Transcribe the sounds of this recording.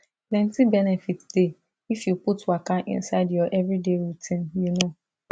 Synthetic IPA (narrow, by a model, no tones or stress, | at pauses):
plɛ̃ntibɛnɛfitd̥e | ifjuputwakãnʔḭ̃nsaɪdjɔʔɛvɹideɹitʰĩnjuno